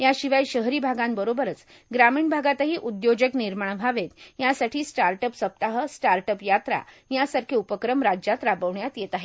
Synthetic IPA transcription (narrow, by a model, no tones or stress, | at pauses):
jaɕiʋajɕəɦɾiːbʱaɡãnbəɾobəɾət͡s | ɡɾamiːɳbʱaɡat̪əɦiːʔud̪jod͡ʑəkniɾmaɳbʱaʋet̪jasaʈʰiːsʈaɾʈəpsəp̚t̪aɦəsʈaɾʈəpjat̪ɾa̰ | jasaɾkʰeupəkɾəmɾad͡ʑat̪ɾabəʋɳjat̪jet̪aɦe